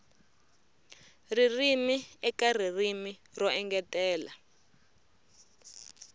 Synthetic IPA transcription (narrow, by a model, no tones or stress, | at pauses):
ririmiɛkaririmirɔɛŋɡɛtʼɛːla